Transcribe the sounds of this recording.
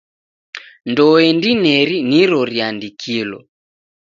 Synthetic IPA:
ndɔɛndinɛɾiniɾɔɾiandikʰilɔ̰

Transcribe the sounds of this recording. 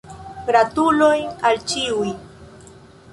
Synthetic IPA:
pɾat̪ulojalt͡ʃiuj

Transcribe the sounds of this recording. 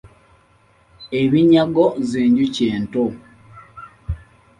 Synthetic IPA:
eβiɲaɡozeːɲɟuceːnto

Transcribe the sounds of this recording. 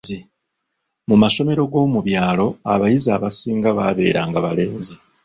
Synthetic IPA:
i | mumaso̞me̞ɾo̞ɡo̞ːmuβjaːlo̞aβajizaːβasiːŋɡaβaβe̞̰ːɾaːŋɡaβale̞ːnzi

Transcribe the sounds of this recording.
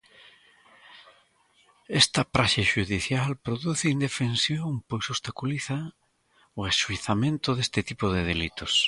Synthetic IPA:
est̪ɐpɾaʃaʃuðiθjalpɾoðuθɪind̪efensjoŋpojsost̪akuliθɐ | oesʃuiθamẽnt̪ʊðest̪ɪt̪ipoðeð̞elit̪os

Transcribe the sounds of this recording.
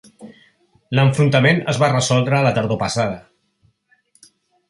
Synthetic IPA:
ləɱfɾunt̪əmenə̰zβarəsɔlˠd̪ɾəːlət̪əɾðopəsað̞ə

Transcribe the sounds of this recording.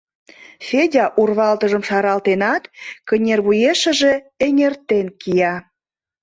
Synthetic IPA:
fʲedʲɑʔurβɑlt̪əʒə̆mʃɑɾɑlt̪enɑt̪kənʲerβujeʃə̆ʒe̽ | eŋʲert̪enkijɑ

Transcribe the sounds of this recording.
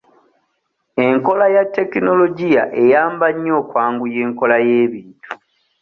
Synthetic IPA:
e̞ŋko̞lajatːe̞kino̞lo̞ɟijaʔe̞jaːmbaɲːo̞ːkwaːŋɡuje̞ːŋko̞lajeːβiːntu

